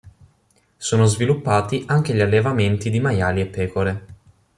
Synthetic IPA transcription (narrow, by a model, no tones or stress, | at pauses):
soːnozvilupːaːt̪iʔaŋk̟eʎalːevament̪id̪imajaːliepːɛːkoɾe